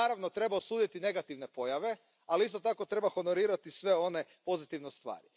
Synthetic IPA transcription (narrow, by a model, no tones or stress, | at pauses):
aːɾaʋno̞t̪ɾe̞baosuːd̪it̪ine̞ɡat̪iʋne̞po̞jaʋe̞ | aliist̪o̞t̪ako̞t̪ɾe̞baxo̞no̞ɾiːɾat̪isʋe̞o̞nepo̞zit̪iʋnost̪ʋa̰ːɾi